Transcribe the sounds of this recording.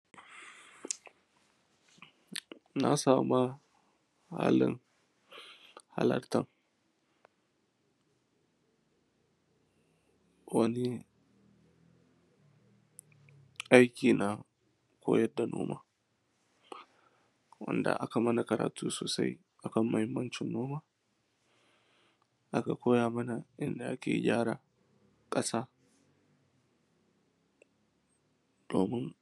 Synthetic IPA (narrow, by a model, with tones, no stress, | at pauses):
na˦saː˨ma˦ | ha̰ː˦lɪ˦ŋ | ha̰˦lɐ̰˦rtɐ˦ŋ | wɐ˦ni˦ | ʔa˦jkʲiː˨na˨ | kʷʰo̰ː˦jɐ˦da˨no̰ː˦ma̰ː˦ | wɐ̰˦nda̰˨ʔa˦ka˨mɐ˦na˨kɐ˨ɾa̰ː˨tʰuː˦soː˨sa̰˦j | ʔa˨kɐ˦mːɐ˨hɪ˦mːɐ˦nt͡ʃɪ˨nːoː˦maː˦ | ʔa˦ka˨kʷʰoː˦jaː˨mɐ˦na˨ʔɪ˦nda˨ʔa˦kʲḛː˨ɡʲaː˦ɽa˨ | kʼɐ˦saː˦ | d̥oː˨mɪ˦ŋ